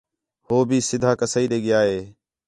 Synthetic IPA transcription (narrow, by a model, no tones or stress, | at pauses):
hoːbʱiːsɪd̪ʱaːkəsaiːɾeːɡɪjaːɦeː